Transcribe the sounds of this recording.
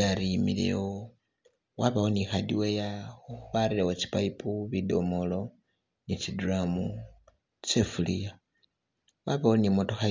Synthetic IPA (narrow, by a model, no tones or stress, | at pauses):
aɾimḭlḛwo | waβawonixadiwejaβaɾilewot͡ʃi̥paipuβido̞̰molo̞ | nit͡ʃidramu | t͡sefulija | waβawonimoto̞xa